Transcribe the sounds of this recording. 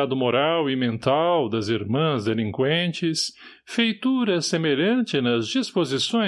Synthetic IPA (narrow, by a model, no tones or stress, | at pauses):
ad̪ʊmoɾawɪmẽnt̪awd̪ɐziɾmɐ̃zd̪elĩŋkwẽnt͡ʃɪs | fejt̪uɾɐsemeʎɐ̃nt͡ʃɪnɐzd͡ʒispozisõ